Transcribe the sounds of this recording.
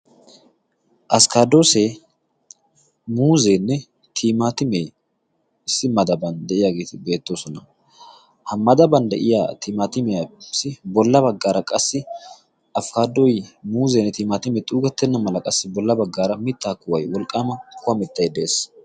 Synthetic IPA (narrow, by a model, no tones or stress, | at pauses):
ʔɐskaːd̪o̞ːseː | muːzeːnːɛ | t̪ʰiːmaːt̪ɪmeː | ɪsːɪmɐd̪ɐbɐnd̪ɛʔɪjaɡeːt̪ɪbe̞ːt̪ːo̞ːsɔnɐ | hɐmːɐd̪ɐbɐnd̪ɛ̰ʔɪja̰ːt̪iːmaːt̪ɪmɛjɐsɪbɔlːɐbɐɡːaːɾɐkʼɐsːɪ | ʔɐfkaːd̪ːojmuːzeːnːɛt̪iːmaːt̪ɪmɛt̪ʼuːɡɐt̪ːɛnːɐmɐlɐkʼɐsːɪbɔlːɐbɐɡːaːɾɐmɪt̪ːaːkːʊwɐjwɔlkʼːaːmɐkʊɐmɪt̪ːɐjd̪e̞ːs